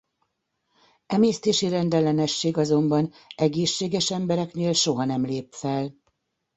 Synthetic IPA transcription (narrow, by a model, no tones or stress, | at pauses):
ɛmeːst̪eːʃiɾɛnd̪ɛlɛnɛʃːeːɡɒzo̞mbɒn | ɛɡeːʃːeːɡɛʃɛmbɛɾɛkneːlʃo̞ɦɒnɛmleːpfɛl